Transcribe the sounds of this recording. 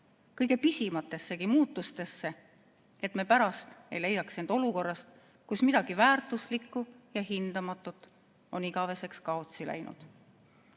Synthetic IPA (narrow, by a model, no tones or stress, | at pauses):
kɤjɡ̥e̞pisimɑt̪ːˑe̞sːe̞kimuːt̪ːˑust̪e̞sːe̞ | e̞t̪mepæɾɑst̪e̞jle̞jːɑksend̪̥o̞luko̞rːɑst̪ | kusmid̪̥ɑɡ̥ivæːrt̪ˑuslikːˑujɑhind̪̥ɑmɑt̪ːˑut̪ːˑ | o̞niɡ̥ɑve̞se̞kskɑo̞t̪silæ̰jnṵd̪̥